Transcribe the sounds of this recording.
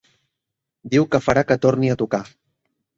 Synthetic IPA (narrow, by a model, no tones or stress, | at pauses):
d̪iwkəfəɾakət̪oɾniət̪uka